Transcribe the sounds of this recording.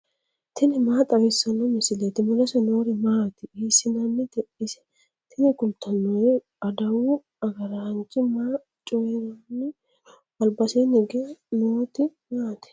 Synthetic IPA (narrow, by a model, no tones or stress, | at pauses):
t̪ʰɪnɪmaːt̪ʼɐwɪsːɐnːɔmɪsɪlet̪ɪmɔlɐsɛnoːɾɪmaːt̪ɪiːsːɪnɐmːɪt̪ɛʔɪsɛ̥ | t̪ʰɪnɪkʊlt̪ʰːɐnːɔj | ɐd̪ɐwu | ɐɡɐɾɐɐnt͡ʃːɪmaː | t͡ʃʼɔjɛɾɐnːɪ | bɐlbɐseːnɪɡenoːt̪ɪ | maːt̪ɛ̥